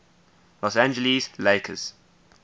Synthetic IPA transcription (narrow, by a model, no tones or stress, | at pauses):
lɔsæ̃nd͡ʒəlizleɪkʰə̰z̥